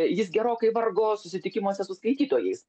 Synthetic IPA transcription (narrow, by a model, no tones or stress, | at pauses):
jɪsɡʲɛɾoːkɐɪʋɐrɡoːsʊsʲɪt̪ʲɪkʲɪmuoɔsʲɛsʊskɐɪt̪ʲiːt̪oːjɛɪs